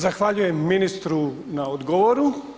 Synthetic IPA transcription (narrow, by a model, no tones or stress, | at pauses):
zaxʋaʎuje̞mːinist̪ɾu | naod̪ɡoʋoɾu